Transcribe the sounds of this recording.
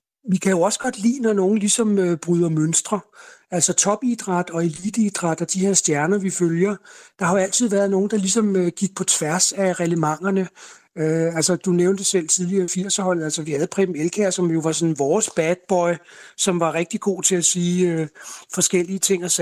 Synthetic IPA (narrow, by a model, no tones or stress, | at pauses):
ʋikʰæjo̝ɒ̽sə̥ɡ̥ɒ̽d̥lḭːnɒno̝ːn̩lisɒ̽møb̥ʁyð̞ˠɐmønsd̥ʁɐælsɒt͡sʰɒ̽b̥id̥ʁɑ̈d̥ɒ̽e̝lid̥əid̥ʁɑ̈d̥ɒd̥ihe̝ɐsd̥jæɐnɐʋiføljɐd̥ɑ̈hɑ̈æl̰t͡sʰið̰ˠʋæɐð̞ˠno̝ːn̩d̥ɑ̈lisɒ̽møɡ̥iɡ̥̚pʰɒ̽t͡sʰʋæɐsæʁɛləmɑ̈ŋ̰ɐnə | øælsɐd̥uneʊnd̥əsel̰t͡sʰið̞ˠliɐifiɐ̰sɒhɒ̽l̰ð̩ˠælsɐʋihæð̞ˠpʰʁɛ̥m̩elkʰæɐsɒ̽mjo̝ʋɑ̈sɒ̽n̩ʋɒːsb̥æd̥̚b̥ɒ̽ɪsɒ̽mʋɑ̈ʁeɡ̥̚d̥iɡ̥o̝̰ːt͡sʰe̝læsiːøfɒ̽sɡ̥el̰iət͡sʰe̝ŋ̰ɒs